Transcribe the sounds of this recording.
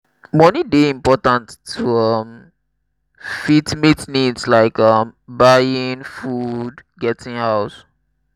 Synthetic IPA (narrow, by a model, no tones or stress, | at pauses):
mɔnideĩmpɔtãntʰːuʌm | fitmitnidslaɪkʌmbajĩŋfudɡɛtɪ̃ŋhaʊs